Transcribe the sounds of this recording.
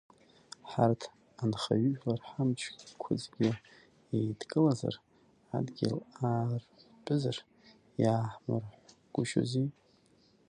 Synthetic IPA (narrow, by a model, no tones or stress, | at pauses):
ħartʰ | anχaɥʏʒᶣlarħamt͡ʃʷʰikʷʰʊd͡zɡʲɪ | ejdkʼɨlaza̰r | adɡʲɪlaːr | bʼɨzar | jaːħmɨrħʷ | ɡ̥ʷʊʃo̰zi